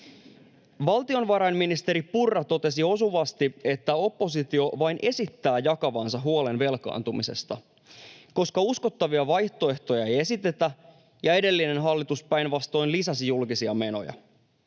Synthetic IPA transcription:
ʋɑlt̪io̞nʋɑɾɑjnminist̪e̞ɾipurːɑt̪o̞t̪e̞sio̞suʋɑst̪ie̞t̪ːæo̞pːo̞sit̪io̞ʋɑjnʔe̞sit̪ːæːjɑkɑʋɑːnsɑɦuole̞nʋe̞lkɑ̰ːnt̪umise̞̰st̪ɑ | ko̞skɑusko̞t̪ːɑʋiɑʋɑjht̪o̞e̞ht̪o̞jɑe̞je̞sit̪e̞t̪æ | jɑe̞de̞lːine̞nɦɑlːit̪uspæjnʋɑst̪o̞jnlisɑsijulkisiɑme̞no̞̰jɑ̰

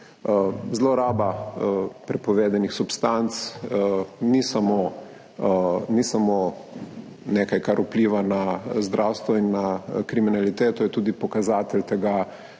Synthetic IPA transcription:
zloɾaːba | pɾɛpɔʋeːd̪anixsupst̪ant̪s | nisamoː | nisamoː | neːkajkaɾupliːʋanazd̪ɾʔawst̪ʋɔinːakɾiminalit̪eːt̪ɔjɛt̪uːd̪ipɔkazaːt̪ɛlt̪ɛɡa

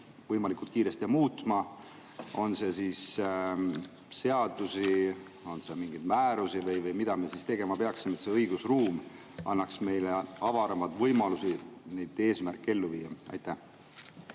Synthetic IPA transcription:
vɤjmɑlikˑult̪̚kiːɾe̞st̪ijɑmuːt̪ˑmɑ | o̞nse̞siːs | se̞ɑd̪̥usi | o̞nsemiŋɡ̥ijd̪mæːɾusivɤjvɤjmid̪̥ɑmesist̪e̞ɡ̥e̞mɑpe̞ɑksimet̪se̞ɤjɡusruːm | ɑ̰nːɑksme̞jleɑvɑɾɑmɑd̪̥vɤjmɑlusine̞jd̪̥e̞ːsmærkːe̞lːuviːɑɑ̰jt̪ːæh

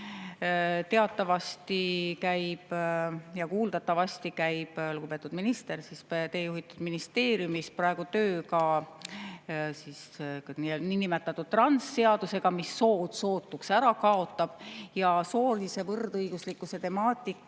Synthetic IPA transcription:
t̪e̞ɑt̪ːˑɑvɑst̪ikæjb̥jɑkuːld̪ɑt̪ːˑɑvɑst̪ikæjb̥luɡ̥ub̥e̞t̪ːud̪̥minist̪e̞rsist̪e̞ːjuɦit̪ːud̪̥minist̪e̞ːɾjumisprɑe̞ɡ̥ut̪øːkɑ | sisnininimet̪ːˑɑt̪ːu̥t̪ːrɑnsːe̞ɑd̪̥use̞ɡ̥ɑmisːo̞ːd̪̥so̞ːt̪ːˑuksæɾɑkɑo̞t̪ˑːɑb̥jɑso̞ːrlise̞vɤrd̪ɤjɡ̥uslikːˑuse̞t̪e̞mɑːt̪ʲˑikːˑ

